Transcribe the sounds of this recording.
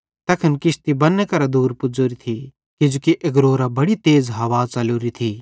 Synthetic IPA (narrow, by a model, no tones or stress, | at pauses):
t̪ɐkʰɐnkɪʃt̪ibɐnːekɐɾad̪uːɾpʊd͡ʒoːɾit̪ʰi | kɪd͡ʒukiʔɐɡɾoːɾabɐɽit̪eːzɦɐʋaːt͡sɐloːɾit̪ʰiː